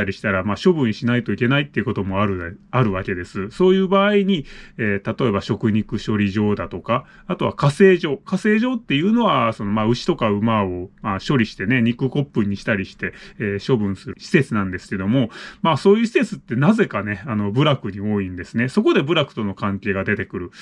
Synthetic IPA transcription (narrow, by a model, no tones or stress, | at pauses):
aɾʲiɕi̥t̪aɾamaːɕo̞bɯ̟̃ɰ̃ɕinait̪o̞ike̞nait̪ːeiɯko̞t̪o̞mo̞aɾɯ̟aɾɯ̟β̞ake̞d̪e̞sɨso̞ːjɯ̟ːbaːiɲ̟ieːt̪at̪o̞e̞baɕo̞kɯ̟ɲ̟ikɯ̟ɕo̞ɾʲiʑo̞ːd̪at̪o̞kaː | t̪o̞βa̰kase̞ːʑo̞ːkase̞ːʑo̞ːt̪ːe̞jɯ̟ːno̞βaso̞no̞maːɯ̟ɕi̥t̪o̞kaɯ̟mao̞maːɕo̞ɾʲiɕi̥t̪e̞ne̞ɲ̟ikɯ̟ko̞pːɯ̟̃ɲ̟ːiɕi̥t̪aɾʲiɕi̥t̪e̞ːɕo̞bɯ̟̃ɰ̃sɨɾɕi̥se̞t͡sɨnãnd̪e̞sɨ̥ke̞d̪o̞mo̞maːso̞ːjɯ̟ːɕi̥se̞t͡sɨt̪ːe̞naze̞kane̞ano̞bɯ̟ɾakɯ̟ɲ̟io̞ːĩnd̪e̞sɨne̞so̞ko̞d̪e̞bɯ̟ɾakɯ̟̥t̪o̞no̞kãŋkʲe̞ːɡad̪e̞t̪e̞kɯ̟ɾɯ̟